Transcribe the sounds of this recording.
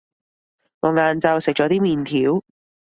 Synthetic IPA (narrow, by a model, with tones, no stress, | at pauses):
ŋɔː˨˧ŋaː˨˧nt͡sɐ˧wsɪ˨k̚t͡ʃɔː˨˥t̪iː˥miː˨nt̪ʰiː˨˥w